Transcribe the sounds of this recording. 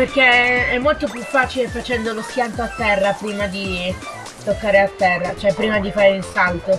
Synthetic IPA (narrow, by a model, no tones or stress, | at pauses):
perkeɛmːolt̪opjufːaːt͡ʃilefat͡ʃɛnd̪oloskjant̪oat̪ːɛrːapɾiːmad̪i | t̪okːaːɾeat̪ːɛrːat͡ʃoɛpːɾiːmad̪ifaːɾeilsalt̪o